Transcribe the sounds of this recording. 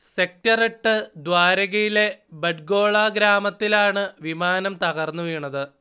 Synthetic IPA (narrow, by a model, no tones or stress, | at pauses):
sek̚tɐriʈːɨd̪waːɾɐɣɐjile̞beɖɡo̞ːɭaːɡɾaːmɐt̪ːilaːɳɨʋimaːnɐmt̪ɐɣɐrnːuʋiːɳɐðɨ